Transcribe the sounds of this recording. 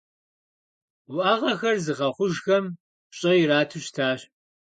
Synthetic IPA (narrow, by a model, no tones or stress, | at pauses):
wʔaːʁɐxɐrzɨʁɐχʷʊʒxɐm | ɕʼɐjɪɾaːtʰɨɕtʰaːɕ